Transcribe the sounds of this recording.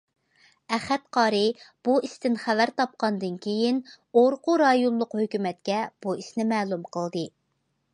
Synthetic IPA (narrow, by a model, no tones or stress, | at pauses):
ɛχæt̪qʰɑːɾɨb̥uist̪ɪnχævæɾt̪ʰɑp̚qɑnd̪ɨnkʲʰejin | oɾqʊɾɑjonlˠʊqhøkʲymɛt̪̚kʲɛb̥uisnɪmɛːlˠumqʰəlˠd̪ɨ